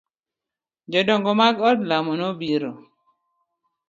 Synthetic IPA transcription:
d͡ʒɔdɔŋɡɔmaɡɔdlamɔnobiɾo

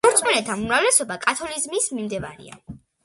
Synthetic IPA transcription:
ɔɾt̪sʼmɔnɛt̪ʰanumɾavlɛsɔbakʼat̪ʰɔlizmismimd̪ɛvaɾḭa̰

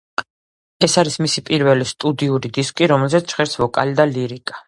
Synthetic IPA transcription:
ɛsaɾismisipʼiɾvɛlist̪ʼud̪iuɾid̪iskʼiɾɔmɛlzɛt̪ʰt͡ʃχɛɾsvɔkʼalid̪aliɾikʼḁ

